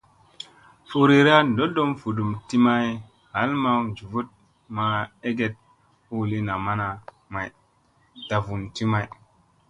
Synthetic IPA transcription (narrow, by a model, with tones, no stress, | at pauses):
fo˨ɾi˨ɾa˦ndo˦do˦mfu˨du˨mti˦ma˦j | ha˨˦lma˦wd͡ʒu˨vu˦t̚ | ma˨e˦ɡe˦t̚ | u˦˨li˦na˨ma˦na˨ | ma˨j | ta˨vu˨nti˦ma˨j